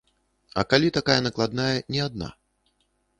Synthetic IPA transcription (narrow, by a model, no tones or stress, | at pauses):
ɐ̰kalʲit̪akajɐnɐklˠad̪najɐnʲɛad̪̚na̰